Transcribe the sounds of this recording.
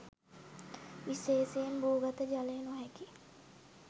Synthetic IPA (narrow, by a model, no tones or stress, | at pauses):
iseːseembuːɡət̪əd͡ʒaleːnoɦɛki